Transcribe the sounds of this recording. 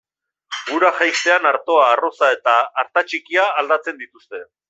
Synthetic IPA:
ɡuɾaʝajst̪e̞anaɾt̪o̞aːro̞sae̞t̪aːɾt̪at͡ʃikiaːld̪at͡se̞nd̪it̪ust̪e̞

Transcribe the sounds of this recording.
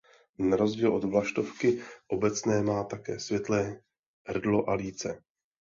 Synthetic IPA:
naɾo̞zɟiːlʔo̞d̪vlaʃt̪o̞fkɪʔo̞bɛt͡snɛːmaːt̪akɛ̰ːsvjɛt̪lɛː | ɦr̩dlo̞ʔaliːt͡sɛ

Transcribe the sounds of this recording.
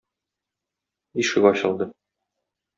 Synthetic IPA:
iʃɘ̆ɡɒɕɤ̆lˠd̪ɤ

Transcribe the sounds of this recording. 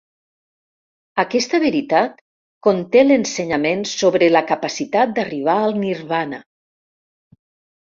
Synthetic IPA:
akɛst̪əβeɾit̪at̪ | kont̪elenseɲamensoβɾelakapasit̪at̪̚d̪ariβ̞aalˠniɾβana

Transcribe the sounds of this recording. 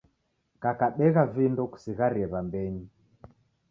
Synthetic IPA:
kakaɓɛɣavindɔku̥siɣaɾiɛβambɛɲi

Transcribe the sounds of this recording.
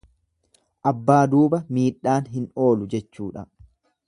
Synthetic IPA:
ʔɐbːaːd̪uːbɐmiːᶑːaːnɦɪno̞ːlʊd͡ʒɛt͡ʃːuːᶑɐ̰

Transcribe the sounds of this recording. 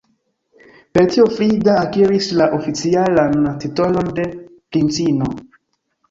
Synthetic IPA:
peɾtiofɾidaːkiɾislaʔofit͡sialanatitolondeplint͡sino

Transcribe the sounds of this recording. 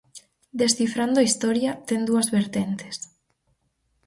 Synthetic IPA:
d̪esθifɾand̪ʊaist̪ɔɾjat̪end̪uɐzβeɾt̪ent̪e̥s

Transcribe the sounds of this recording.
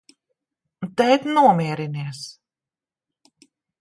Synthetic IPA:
t̪ɛjt̪nuɔmiɛɾiniɛs

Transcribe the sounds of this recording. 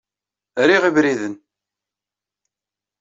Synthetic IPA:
ɾiʁivɾiðən

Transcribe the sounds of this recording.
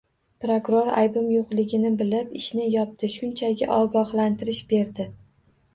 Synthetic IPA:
pɾokʊɾoɾa̰jbʊmjoqlˠɪɡʲɪnɪbɪlɪpɪʃnɪjɒp̚d̪̥ɪʃʊnt͡ʃʰaɡʲa̰ʔɒɡɒχlant̪ʰɪɾɪʃbe̞ɾd̪ɪ

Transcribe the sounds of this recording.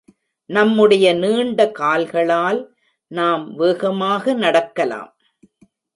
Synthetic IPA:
nɐmːɯɽɐjɐniːɳɖɐkaːlɣɐɭaːl | naːmʋeːɣɐmaːɣɐnɐɽɐkːɐla̰ːm

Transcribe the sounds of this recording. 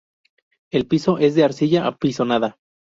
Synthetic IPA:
e̞lpiso̞ʔe̞zðeaɾsiʝaʔapiso̞naða

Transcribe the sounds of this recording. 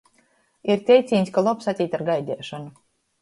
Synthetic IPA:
iɾt̪ʲɛjt̪sʲiːnʲskalˠɔpsat̪ʲiːt̪aɾɡajd̪ʲɛːʃɔnu

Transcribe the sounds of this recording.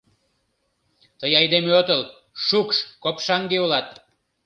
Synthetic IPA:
t̪əjɑjd̪emeot̪əl | ʃukʃkopʃɑŋɡeulɑt̪̚

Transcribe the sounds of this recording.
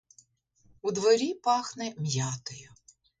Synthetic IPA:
ud̪ʋɔɾʲipɑxnɛmjɑt̪ɔjʊ

